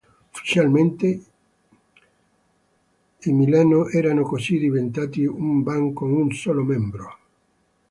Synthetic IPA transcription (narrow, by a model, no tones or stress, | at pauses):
ofi̥t͡ʃjalment̪e | imilaːnoʔɛɾanokosid̪ivent̪aːt̪iumbaŋkoŋunsɔːlomɛmbɾo